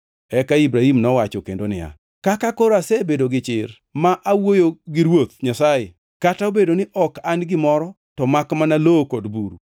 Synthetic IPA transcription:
ɛkaibɾahimnɔwat͡ʃɔkḛndonɪ̰ja̰ | kakakoɾoasebedoɡɪt͡ʃɪr | maʔawojoɡɪɾwot̪̚ɲasaje | kataobedonɪʔɔkanɡɪmɔɾɔ | tɔmakmanalokodbuɾṵ

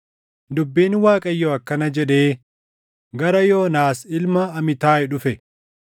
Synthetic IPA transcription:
d̪ʊbːiːnwaːkʼɐjːoɐkːɐnɐd͡ʒɛᶑe̞ː | ɡɐɾɐjoːnaːsɪlmɐːmɪt̪aːɛᶑʊfɛ

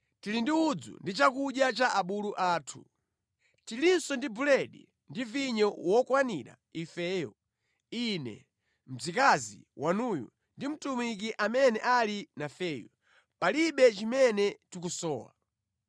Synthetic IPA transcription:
tilindiud͡zṵndit͡ʃakuɗjat͡ʃaʔaɓuluʔaːtʰṵ | tilinsɔndibulɛɗḭ | ndiviɲɔwɔkwaniɾa̰ | ifɛːjɔ̰ | inɛ̰ | m̩d͡zikazḭwʔanujṵ | ndim̩tumik̬iʔamɛnɛʔalinafɛːjɔ̰ | paliɓɛt͡ʃimɛnɛtikusɔːwa̰

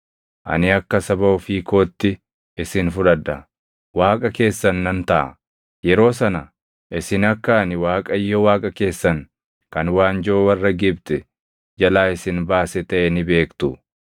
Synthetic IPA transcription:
ʔɐ̰nɪɐkːɐsɐbɐʊfiːko̞ːt̪ːɪ | ɪsɪnfʊᶑɐd̪ːɐ | waːkʼɐke̞ːsːɐnːɐnt̪ɐʔɐ̰ | jɛɾo̞ːsɐnɐ | ʔɪsɪnɐkːaːnɪwaːkʼɐjːɔwaːkʼɐke̞ːsːɐn | kɐnwaːnd͡ʒoːwɐrːɐɡɪbt̪ɛ | d͡ʒɐlaːɪsɪnbaːsɛt̪ɐʔɛnɪbe̞ːkt̪ʊ

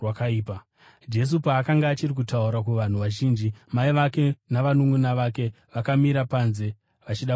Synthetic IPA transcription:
wakaiːpa | d͡ʒe̞s̬upaːkaŋɡaːt͡ʃirik̬utauɾakuʋan̤uʋaʒiːnd͡ʒimaiʋake̞naʋanuŋunaʋake̞ | ʋakamiɾapanze̞ | ʋat͡ʃiɗa

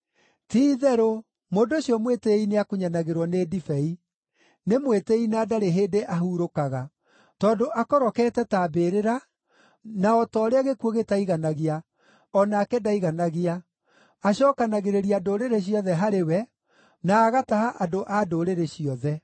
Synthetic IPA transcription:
tiːðɛɾo | moːndoɕiɔmweteineakuɲanaɣeɾwɔnedifɛi | nemweteinadaɾeɦeːdeʔaɦuɾokaɣa | tɔːndoʔakɔɾɔkɛːtɛtabeɾeɾa | naɔtɔːɾeaɣekuoɣetaiɣanaɣia | ɔnaːkɛdaiɣanaɣia | aɕɔkanaɣeɾeɾiadoɾeɾeɕ̬ijɔðɛɦaɾewɛ | naːɣatahaʔadoʔadoɾeɾeɕiɔðɛ

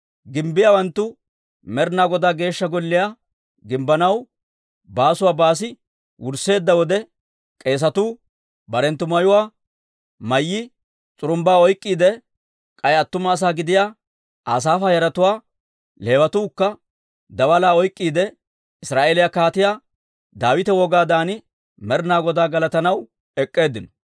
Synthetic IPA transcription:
ɡɪmbːɪjawɐnt̪ːʊ | mɛɾnaːɡɔd̪aːɡe̞ːʃːɐɡɔlːɪjaː | ɡɪmbɐnɐw | baːsʊwaːbaːs̬ɪ | wʊɾse̞ːd̪ːɐwɔd̪ɛ | kʼe̞ːs̬ɐt̪uː | bɐɾɛnt̪ːʊmɐjʊwaː | mɐjːɪ | t͡sʼʊɾʊmbaːɔjkʼːiːd̪ɛ | kʼɐjɐt̪ːʊmɐːs̬aːɡɪd̪ɪjaː | aːs̬aːfaːjɐɾɐt̪ʊwaː | le̞ːwɐt̪uːkːɐ | d̪ɐwɐlaːɔjkʼːiːd̪ɛ | ɪsɾaːʔeːlɪjakaːt̪ɪjaː | d̪aːwɪt̪ɛwɔɡaːd̪aːnɪ | mɛɾnaːɡɔd̪aːɡɐlɐt̪ɐnɐw | ɛkʼːe̞ːd̪ːɪnɔ̥

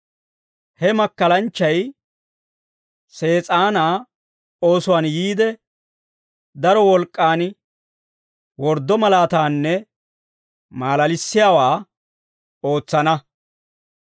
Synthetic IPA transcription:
hɛmɐkːɐlɐnt͡ʃːɐj | se̞ːt͡sʼaːnaː | o̞ːsʊwaːnjiːd̪ɛ | d̪ɐɾɔwɔlkʼːaːn | wɔɾd̪ːɔmɐlaːt̪aːnːɛ | maːlɐlɪsːɪjaːwaː | o̞ːt͡sːɐnɐ

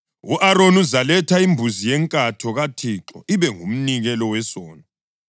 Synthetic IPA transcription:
uʔaɾonuzalɛtʰaimbʱuzijɛŋkʼatʰɔɣatʰiǁɔ̰ʔiβɛŋum̩niɣɛlɔwɛsɔːna

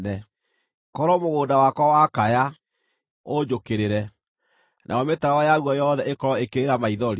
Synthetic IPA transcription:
nɛ | kɔɾɔmoɣoːdawakwɔwakaja | od͡ʑokeɾeɾɛ | nʔa̰ɔmetaɾaɔjaɣuɔjɔðɛʔekɔɾɔekeɾeɾamaiðɔɾi

